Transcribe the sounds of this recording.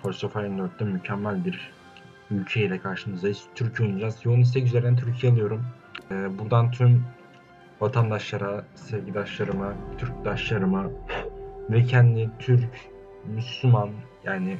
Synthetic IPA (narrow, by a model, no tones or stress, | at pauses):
fosofajɯnd̪øɾt̪̚d̪ɛmycʰɛmːælʲbiɾ | ylʲcʰeilʲɛkʰaɾʃɯmɯzd̪ajist̪ʰyɾcʰɛujnud͡ʒazjounis̬t̪ʰɛc̬yzeɾnænt̪ʰyɾcʰijealˠɯjo̞ɾum | ɛːbuɾd̪ant̪ʰym | vat̪ʰand̪aʃlˠaɾasɛɾɟid̪aʃlˠaɾɯmat̪ʰyɾc̚d̪aʃlˠaɾɯma | vɛcʰɛnd̪it̪ʰyɾc | myslʲuman | jaːnɪ